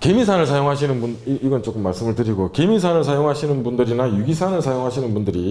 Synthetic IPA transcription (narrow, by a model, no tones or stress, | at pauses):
ke̞misʰanɯɭsʰajoŋɦaɕ̬ʰinɯnbuniiɡʌnt͡ɕ͈ok͈ɯmːaɭs͈ɯmɯɭtɯɾiɡoke̞misʰanɯɭsʰajoŋɦaɕʰinɯnbundɯɾinajuɡisʰanɯɭsʰajoŋɦaɕʰinɯnbundɯɾi